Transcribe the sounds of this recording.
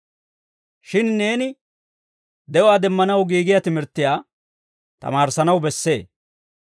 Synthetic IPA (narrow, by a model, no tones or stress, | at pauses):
ʃɪnːe̞ːnɪ | d̪ɛʔʊaːd̪ɛmːɐnɐwɡiːɡɪjat̪ɪmɪɾt̪ːɪjaː | t̪ɐ̰maːɾsɐnɐwbɛsːe̞ː